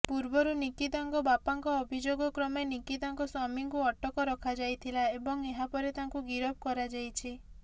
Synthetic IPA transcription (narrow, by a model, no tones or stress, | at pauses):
puɾbɔɾunikid̪aŋkɔbapaŋkɔːbʱid͡ʒoɡɔkɾɔmenikid̪aŋkɔsɔmiŋkuɔʈɔkɔɾɔkʰad͡ʒajt̪ʰilaebɔŋeɦapɔɾet̪aŋkuɡiɾɔb̚kɔɾad͡ʒajt͡ʃʰi